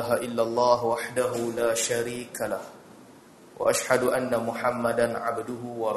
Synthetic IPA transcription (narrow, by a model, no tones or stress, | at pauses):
ɦaʔɪlːalˤːɑːɦwaħd̪aɦʊlaːʃaɾiːkalah | wʔa̰ʔaʃhad̪ʊʔanːamʊħamːad̪anʕa̰bd̪ʊɦʊwɑɾˤ